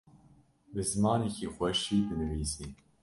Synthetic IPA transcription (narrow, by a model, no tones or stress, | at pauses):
bɨzmaːnicʰixʷɛʃiːd̪ɨnɨviːziː